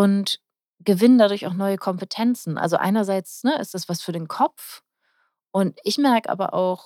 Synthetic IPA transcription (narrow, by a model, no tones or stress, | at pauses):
ʔʊnt | ɡ̥əvɪnəndadʊɐçaʊxnɔʏəkʰɔmpətʰɛnt͡sn̩ʔa̰lzoʔa̰ɪnɐzaɪt͡snəʔɪ̰std̥asv̥asfyːɐɾeːnkʰɔp͡f | ʔʊntɪçmɛɐkəʔa̰ːbɐ̰ʔa̰ʊx